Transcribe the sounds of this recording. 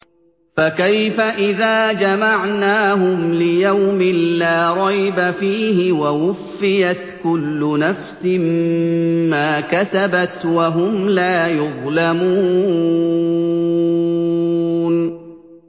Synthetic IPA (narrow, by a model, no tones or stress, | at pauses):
fakajfaʔɪðaːd͡ʒamaʕnaːɦʊmlɪjawmɪnlaːɾˤɑjbafiːɦɪwawʊfːɪjat̪kʊlːʊnafsɪm | maːkasabat̪waɦʊmlaːjʊðˤlamuː | n